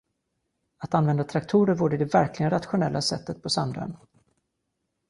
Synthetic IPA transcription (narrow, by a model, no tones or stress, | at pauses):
at̪anvɛnd̪at̪ʰɾakt̪ʰuːɾəɾvuːɖəɪd̪ɛvæɾklɪɡənɾat̪ɧʊnɛlːasɛ̰t̪ːət̪̚pʰɔsand̪œ̰n